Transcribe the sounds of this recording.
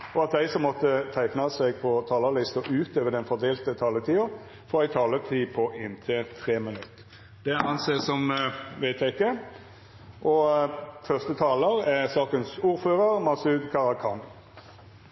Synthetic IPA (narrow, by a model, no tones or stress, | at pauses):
ɔɑt̪̚d̪æɪsɔmːɔt̪ːət̪ʰæɪknɑsɛɡ̚pʰɔt̪ʰɑːləlɪst̪ɔʔʉːt̪løːʋəd̪ɛnfɔd̪eːlt̪ət̪ʰɑːlət̪ʰiːʊ | fɔɾæɪt̪ʰɑːlət̪ʰiːpʰɔʔɪnt̪ʰɪt̪ʰʁeːmənʉt̪ː | d̪ɛɑnseːsɔmʋæɪt̪jæɪɪkːə | ʔɔfœʁst̪ət̪ʰɑːləɾæʁsɑːkənsuːɾføːɾəʁmɑsʉːd̪kʰɑʁɑkʰɑŋ